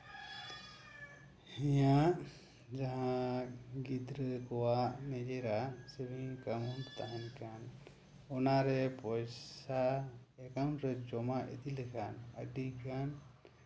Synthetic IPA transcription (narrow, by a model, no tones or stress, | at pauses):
hijaʔ | d͡ʒaɦã | ɡid̪ɾəkɔwaʔnɛd͡ʒɛɾasəbʱiŋkamunt̪aɦankan | ɔnaɾɛpɔjsa | ɛkawɳɾɛd͡ʒɔmaʔet̪ilɛkʰanə̰ɖikʰan